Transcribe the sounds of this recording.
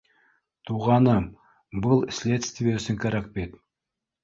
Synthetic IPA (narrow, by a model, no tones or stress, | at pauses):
t̪ʰuʁɑnəm | bəlˠsʲlʲet̪st̪vʲjesɪŋkʰaɾak̚bet̪